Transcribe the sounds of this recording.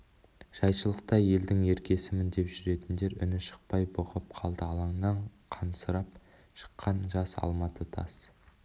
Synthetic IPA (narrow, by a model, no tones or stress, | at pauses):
ʒ̥ɑjʃəlˠəq̚t̪ɑje̞ld̪ɪŋe̞ɾkʲe̞sɪmɪnd̪e̞pʒʏɾe̞t̪ɪnd̪e̞ɾʏ̰nɪʃə̥q̚pɑjbʊʁəp̚qʰɑlˠd̪əɑlˠɑŋnɑɴqʰɑnsəɾɑp̚ | ʃə̥qʰːɑnʒɑsɑ̰lˠmɑt̪ʰət̪ʰɑ̰s